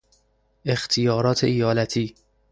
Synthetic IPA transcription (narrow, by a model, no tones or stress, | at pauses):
e̞xt̪ʰijɒːɾɒːt̪ʰeijɒːlæt̪ʰiː